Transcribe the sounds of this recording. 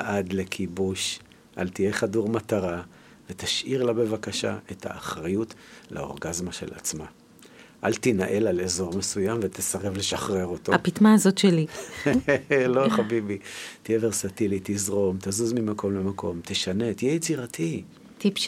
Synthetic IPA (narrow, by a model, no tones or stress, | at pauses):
ʔad̪le̞kʰibuʃ | ʔa̰lt̪ijeχaduʁmat̪aʁa | vet̪aʃʔiʁlabe̞vakaʃa̰ʔe̞t̪ʰa̰ːχʁajutlʔa̰o̞̰ʁɡazmaʃe̞̰la̰t͡sma | ʔalt̪inaʔe̞lalezo̞ʁmesujamvet̪esaʁe̞vle̞ʃaχʁe̞ʁo̞t̪oapit̪maːzo̞tʃeli | lo̞χabibit̪ijeveʁsat̪ilit̪izʁo̞mt̪azuzmimako̞mlemakʰo̞̰mt̪ʰeʃane̞t̪ijɛjet͡siʁat̪ʰi | t̪ip